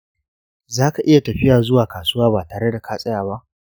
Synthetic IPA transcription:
zaː˦ka˨ʔɪ˦ja˨tɐ˨ɸɪ˦jaː˨zʊ˦waː˨kaː˨sʊ˦waː˦baː˨taː˨ɽe˦da˨kʰaː˦sʼɐ˦jaː˨ba˦ʔ

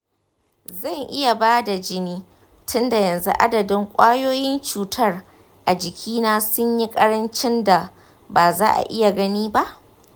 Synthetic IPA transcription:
zɐ˦˨ŋʔɪ˦ja˨baː˦da˨d͡ʒɪ˦niː˦ | tʰʊ˦nda˨jɐ˨nzu˦ʔa˦dɐ˨dɪ˦ŋkʷʼaː˦joː˦jɪ˦nt͡ʃuː˨tʰɐ˦r | ʔa˨d͡ʒɪ˨kʲʰiː˦naː˦sʊ˦ɲji˦kʼɐ˦ɽɐ˦nt͡ʃɪ˦nda˨ | baː˨za̰ː˦ʔa̰˨ʔɪ˦ja˨ɡɐ˦niː˦ba˦ʔ

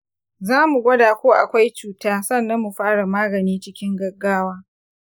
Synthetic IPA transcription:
zaː˦mu˨ɡʷɐ˦daː˨kʷoː˦ʔa̰˨kʷa˦jt͡ʃuː˨taː˦sɐ˦˨nːɐ˦mːu˨ɸaː˦ɽa˨maː˦ɡɐ˨niː˦t͡ʃɪ˦kʲɪ˦ŋɡɐ˦ɡːaː˦waː˦

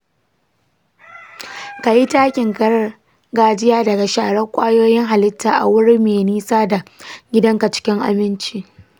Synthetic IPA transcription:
ka˨ji˦taː˦kʲɪ˨ŋɡɐ˦ɽɐ˦ | ɡaː˦d͡ʒɪ˦jaː˦dɐ˨ɡa˨ʃaː˨ɽɐ˦kʷʼaː˦joː˦jɪ˦ŋɦa˨lɪ˦tʰːaː˨ʔa̰˨wʊ˦ɽi˦meː˨niː˦saː˦da˨ɡʲɪ˦dɐ˦ŋka˨t͡ʃɪ̥˦kʲɪ˦ŋʔa̰˨mɪ˦nt͡ʃiː˦˨

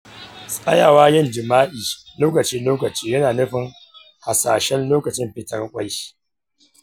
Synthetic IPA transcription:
sʼɐ˦jaː˨waː˦jɪ˦˨nd͡ʒɪ˨maː˦ʔiː˨loː˦kɐ˨t͡ʃiː˦loː˦kɐ˨t͡ʃiː˦jɐ˦naː˨nʊ˦ɸɪ˨ŋ | ha˨saː˨ʃɛ˦nloː˦kɐ˨t͡ʃɪ˦mɸɪ˨tɐ˦rkʷʼa˦ji̥˦

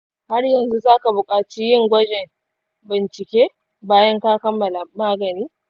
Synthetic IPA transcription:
ha˦rjɐ˨nzu˦zaː˦ka˨bʊ˨kʼaː˨t͡ʃiː˦jɪ˦ŋɡʷɐ˦d͡ʒɛ˨m | bɪ˨nt͡ʃɪ˨kʲeː˦ | baː˦jɐ˦ŋkaː˦kɐ˦mːɐ˨la˨maː˦ɡɐ˨niː˦

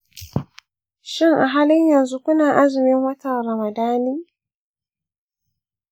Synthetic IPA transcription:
ʃɪ˦ŋʔa˨ɦaː˦lɪ˦ɲjɐ˨nzu˦kʷʊ˦naː˨ʔa˦zɪ˨mɪ˦ŋwɐ˦tɐ˨ɾɐ˨ma˨daː˦niː˦

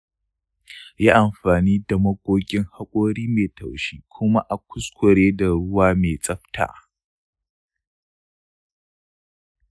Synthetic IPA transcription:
jaː˦ʔa˨mɸaː˨niː˦da˨mɐ˦ɡʷʼoː˦kʲʼɪ˦ŋha˦kʷʼoː˦ɽiː˦meː˨tʰɐ˨wʃiː˦kʷʰʊ˦ma˦ʔa˨kʷʰʊ˦skʷɔ˨ɽeː˦da˨ɽʊ˦waː˦meː˨t͡sʼɐ˦ɸtʰa̰ː˨

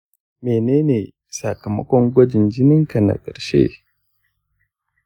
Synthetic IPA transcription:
meː˨neː˦neː˨ | sa˨kɐ˨mɐ̰˦kʷɔ˦ŋɡʷɐ˦d͡ʒɪ˨nd͡ʒɪ˦nɪ˦ŋka˨na̰˨kʼɐ˨ɽʃḛː˦

